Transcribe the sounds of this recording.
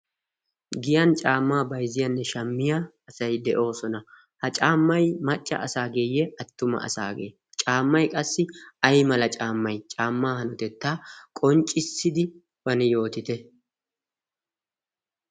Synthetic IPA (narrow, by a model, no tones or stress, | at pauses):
ɡɪjɐnt͡ʃʼaːmːaːbɐjzɪjɐnːɛʃɐmːɪjaː | sɐjd̪ɛʔo̞ːsɔnɐ | hɐt͡ʃʼaːmːɐjmɐt͡ʃʼːɐ̰ʔɐsaːɡeːjːɛɐt̪ːʊmɐ̰ɐ̰sa̰ːɡḛː | t͡ʃʼaːmːɐjkʼɐsːɪɐjmɐlɐt͡ʃʼaːmːɐjt͡ʃʼaːmːaːhɐnɔt̪ɛt̪ːaːkʼɔnt͡ʃʼːɪsːɪd̪ɪ | bɐnɪjo̞ːt̪ɪt̪ɛ